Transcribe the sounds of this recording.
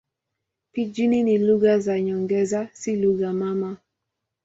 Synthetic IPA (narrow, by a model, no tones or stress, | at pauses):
pid͡ʒininiluɣazaɲɔŋɡɛzasiluɣamama